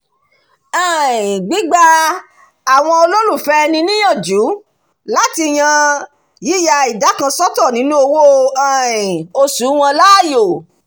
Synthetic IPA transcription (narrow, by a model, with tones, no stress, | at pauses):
a˨ĩ˨ɡ͡bi˨˦ɡ͡ba˧ | a˨w̃ɔ̃˧o˧lo˦ɾũ˦˨fɛ˦˧nĩ˧˦nĩ˦jã˦˨d͡ʒu˨˦ | la˦ti˧j̃ã˧ | ji˦ja˧i˨da˨˦kã˧sɔ˦tɔ˦˨nĩ˨˦nũ˦o˧wo˦˧a˨ĩ˨o˧su˨˦w̃ɔ̃˧la˦˨jo˨